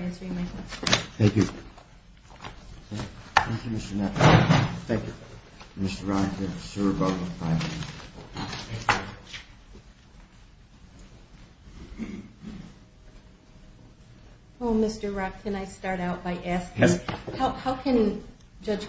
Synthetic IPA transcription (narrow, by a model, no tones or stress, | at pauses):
æ̃nsə˞ɪ̃ŋmekθæ̃ŋkjɨ | θæ̃ŋkjʉmɪstə˞nɛfθæ̃ŋkju | mɪstə˞ɹɑnəsə˞boʊəfaɪ̃n | oʊmɪstə˞ɹɑkʰɨ̃naɪstɑɹɾaʊt̚b̥aɪʔæskɪ̃ŋhaʊhaʊkʰɨ̃ni | d͡ʒʌd͡ʒ̥